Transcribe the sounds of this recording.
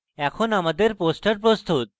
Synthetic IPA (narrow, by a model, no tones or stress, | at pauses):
ɛkʰonamad̪eɾposʈaɾpɾost̪ut̪̚